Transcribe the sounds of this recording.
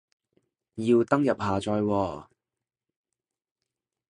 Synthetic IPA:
jiː˧wt̪ɐ˥ŋjɐ˨p̚haː˨˩t͡ʃɔː˧jwɔː˧

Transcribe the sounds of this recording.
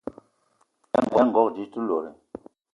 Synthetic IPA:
ɛ˦ŋ˨ɡɛ˨˦ŋ̩˨ɡɔ˦k̚d͡ʒi˨˦tu˦lo˨ɾɛ̰˨

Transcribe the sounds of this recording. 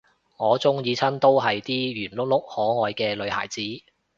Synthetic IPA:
ŋɔː˨˧t͡sʊ˥ŋjiː˨˧t͡sʰɐ˥nt̪o˥wɦɐ˨jt̪iː˥jyː˨˩nlʊ˥k̚lʊ˥k̚hɔː˨˥ŋɔː˨˧jkɛː˧lɵ˨˧ɥha̰ː˨˩jt͡siː˨˥

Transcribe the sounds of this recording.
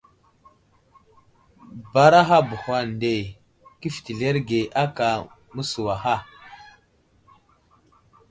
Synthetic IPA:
ba˦ɾa˦ɦa˦bu˨ha˦n˨de˨ | ki˦fi̥˨ti˨ɮe˦ɾɡe˨ʔa˦ka˨mu˦su˨wa˨xa˦˨

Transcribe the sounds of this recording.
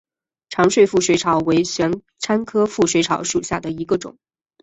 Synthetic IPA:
ʈ͡ʂʰɑ˧˥ŋʂwe˥˧ɪfu˥˩ʂwe˧˥ɪʈ͡ʂʰɑ˨˥ʊwe˧˥ɪɕɥɛ˧˥n | ʈ͡ʂʰa˥nkʰɤ˥fu˥˩ʂwe˧˥ɪʈ͡ʂʰɑ˧˥ʊʂu˨˩ɕja˥˩d̪ə˩i˧˥ɡə˧ʈ͡ʂʊ̰˨˩˦ŋ

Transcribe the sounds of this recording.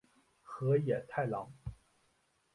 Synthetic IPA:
xɤ˧˥jɛ˨˩t̪ʰa˥˩ɪlɑ˧˥ŋ

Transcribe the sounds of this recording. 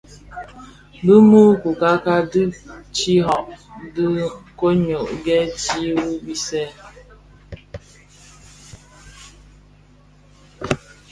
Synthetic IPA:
bə˦mu˦ku˨ka˦ka˦dɨ˦t͡ʃi˦ɦɔ˨ʔdɨ˦ko˦ɲo˨ʔɡɛ˦ti˦wu˦bi˦sɛ˦

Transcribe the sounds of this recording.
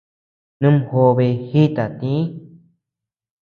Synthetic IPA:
nũ˦m˧ho˧βe˧hi˦t̪a˨t̪ĩ˦

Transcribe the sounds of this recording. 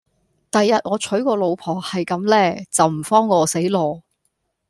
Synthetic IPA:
t̪ɐ˨jːɐ˨t̚ŋɔː˨˧t͡ʃʰɵ˨˥ɥkɔː˧lo˨˧wpʰɔː˨˩hɐ˨jkɐ˨˧mlɛː˥t͡sɐ˨wm̩˨˩fɔː˥ŋːɔː˨˧se˨˥jlɔː˨˧

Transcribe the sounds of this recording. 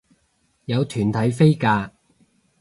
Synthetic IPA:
jɐ˨˧wt̪ʰyː˨˩nt̪ʰɐ˨˥jfe˥jkaː˧

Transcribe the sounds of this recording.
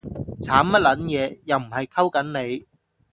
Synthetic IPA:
t͡sʰaː˨˥mmɐ˥t̚lɐ˨˥njɛː˨˧jɐ˨wm̩˨˩hɐ˨jkʰɐ˥wkɐ˨˥nne˨˧j

